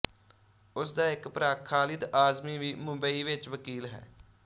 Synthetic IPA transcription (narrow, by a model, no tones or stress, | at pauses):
ʊsd̪aːɪkpɾaːkʰːaːlɪd̪aːzmiːʋiːmʊ̃bəiːʋɪt͡ʃʋəkiːlɦɛ̰ː